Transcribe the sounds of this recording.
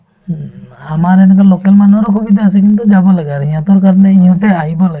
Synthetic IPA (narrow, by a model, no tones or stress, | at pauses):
amaɾɛnɛk̬alokɛlmanɔɾɔkʰubid̪aasek̬int̪̬ud͡ʒabɔlaɡaɾiɲãt̪ɔɾkaɾneiɲɔ̃t̪eaɦibɔlaɡ